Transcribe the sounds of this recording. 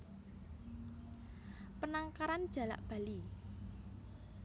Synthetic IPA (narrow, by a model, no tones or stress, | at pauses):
pənaŋkaɾand̥ʒ̥a̤la̰ʔb̥a̤li